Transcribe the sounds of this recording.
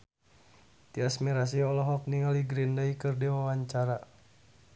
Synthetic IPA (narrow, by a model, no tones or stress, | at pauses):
diasmiɾas̬iɔlɔɦɔk̚niŋaliɡɾindaikɨrdiwawaɲt͡ʃaɾa